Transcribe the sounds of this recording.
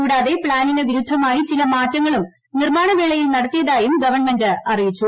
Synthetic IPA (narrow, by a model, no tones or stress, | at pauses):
uːɽaːðe̞pɭaːnineʋiɾud̪ʱːɐmaːjit͡ɕilɐmaːtːɐŋːɐɭum | nirmaːɳɐʋeːɭɐjilnɐɽɐt̪ːijɐðaːjumɡɐʋɐrnmendɨɐrijit͡ɕːu